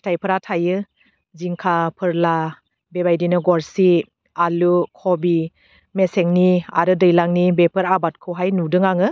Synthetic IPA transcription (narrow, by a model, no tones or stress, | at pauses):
stʰajpʰɯɾatʰajɯ | ziŋkʰapʰɯɾla | bebajdinɯɡɔɾsi | alukʰɔbi | meseŋnia̰ɾɯdɯjlaŋnibepʰɯɾabat̚kʰɯwɦajnudɯŋaŋɯ